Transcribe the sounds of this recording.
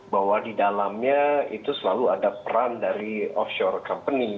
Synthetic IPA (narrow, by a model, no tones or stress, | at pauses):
baɦwadidalamɲait̪usəlaluadapəɾandaɾiɔfʃɔrkampəni